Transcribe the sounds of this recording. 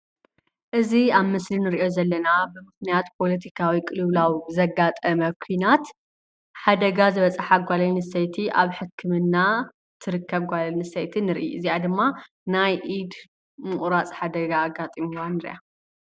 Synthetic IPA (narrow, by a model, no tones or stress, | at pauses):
ʔɨziaβmɨslinɨɾiʔo̞zɐlːɐnabɨmɨxnijat̪pʰo̞lɐt̪ʰikʰawikʼɨlɨβlawizɐɡat̪ʼɐmɐkʷʰujnat̪ | ħad̪ɐɡazɨβɐt͡sʼɐħaɡʷalɐnɨsejt̪ʰiʔaβħɨkʰːɨmɨnːa | t̪ʰɨɾɨkʰːɐβɡʷalɐnɨsejt̪ʰinɨɾʔḭʔɨziad̪ɨmːa | najʔid̪ | mɨχʼɾat͡sʼħad̪ɐɡaːɡːat̪ʼimiwanɨɾʔa̰